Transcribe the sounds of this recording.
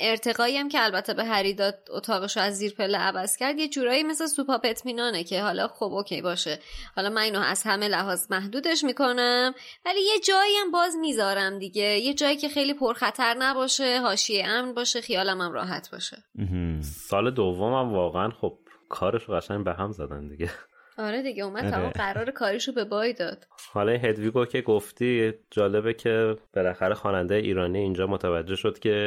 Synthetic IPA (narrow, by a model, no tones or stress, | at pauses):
ʔe̞ɾt̪ʰe̞ɣɒːiæmcʰeælbæt̪ʰːebeɦæɾiːd̪ɒːt̪̚o̰t̪ʰɒːɣeʃoæzːiːɾpʰe̞lːeʔævæz̥cʰæɾd̪jed͡ʒuːɾɒːjiːme̞slesupɒːpe̞t̪ʰmiːnɒːnecʰe̞hɒlɒ̰xobʔoːcʰḛjbɒːʃe̞hɒlɒːmæniːnoʔæ̰z̥hæme̞læɦɒːzmæɦd̪uːd̪e̞ʃmiːko̞næmvæliːje̞d͡ʒɒːijæmbɒːzmiːzɒːɾæmd̪iɟe̞je̞d͡ʒɒːjicʰe̞xe̞jliːpʰoɾxæt̪ʰæɾnæbɒːʃe̞ɦɒːʃieʔæmnbɒːʃexijɒːlæmæmɾɒ̰ːɦæt̪ʰbɒ̰ːʃe | sɒːle̞d̪ovːomæmvɒːɣeænxob̥̚kʰɒːɾe̞ʃoɣæʃæɲbeɦæmzæd̪ænd̪iɟe | ɒːɾed̪iɟeuːmæd̪ʰæmɔɢæɾɒːɾekʰɒːɾiʃobe̞bɒːjd̪ɒːd̪̥hɒlɒinɦe̞d̪viːɡocʰeɡoft̪id͡ʒɒːle̞becʰe̞b̥elæxæɾexɒːnænd̪ejeʔiːɾɒːniiːnd͡ʒɒːmot̪ʰævæd͡ʒːe̞hʃod̪̥cʰe̞